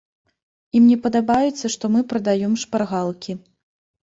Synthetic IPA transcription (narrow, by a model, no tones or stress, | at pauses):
imnʲɛpɐd̪abajɛt̪sʲːɐʂt̪ɔmɨpɾɐd̪ajɔmʂparɣalˠkʲʰi